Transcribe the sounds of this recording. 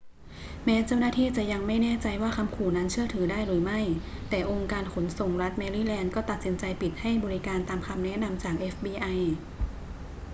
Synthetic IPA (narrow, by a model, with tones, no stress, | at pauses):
mɛː˦˥t͡ɕa˥˩wnaː˥˩t̪ʰiː˥˩t͡ɕa˨˩ja˧ŋma˥˩jnɛː˥˩t͡ɕa˧jwaː˥˩kʰa˧mkʰuː˨˩na˦˥nt͡ɕʰɯ˥˩ɐət̪ʰɯː˩˦daː˥˩jɾɯː˩˦ma˥˩jt̪ɛː˨˩ʔo˧ŋkaː˧nkʰo˩˦nso˨˩ŋɾa˦˥t̪̚mɛː˧ɾiː˧˥˩lɛː˧nkɔː˥˩t̪a˨˩t̪̚si˩˦nt͡ɕa˧jpi˨˩t̪̚ha˥˩jbɔː˧ɾi˦˥kaː˧nt̪aː˧mkʰa˧mnɛ˦˥ʔna˧mt͡ɕaː˨˩k̚ʔe˦˥fbiː˧ʔa˧j